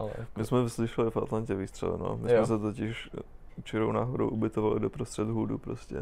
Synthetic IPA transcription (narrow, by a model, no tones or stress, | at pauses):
ʔal̰mɪsmɛvɪslɪʃɛlɪfʔat̪lancɛviːst̪r̥ɛ̰lɛ̰no̰mɪsmɛs̬ɛt̪ocɪʃft͡ʃɛɾowna̰ːɦoɾo̰wʔubɪt̪ovalɪdo̞pɾost̪r̥ɛd̪ɦuːdupɾoscɛ̰